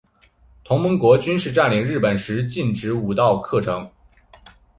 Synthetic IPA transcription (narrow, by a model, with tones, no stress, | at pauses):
t̪ʰʊ˧˥ŋmə˧˥ŋkwɔ˧˥t͡ɕy˥nʂɻ̩˥˧ʈ͡ʂa˥˩nli˨˩ŋɻɻ̩˥˩pə˨˩nʂɻ̩˧˥t͡ɕi˥˩nʈ͡ʂɻ̩˧˥u˨˩t̪ɑ˥˧ʊkʰɤ˥˩ʈ͡ʂʰɤ˧˥ŋ